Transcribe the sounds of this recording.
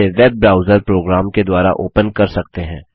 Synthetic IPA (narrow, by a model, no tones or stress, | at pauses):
eʋɛːbːɾaːʊzəɾpɾoːɡɾaːmked̪waːɾa̰ʔoːpənkɐɾsɐk̚t̪eɦɛ̃ː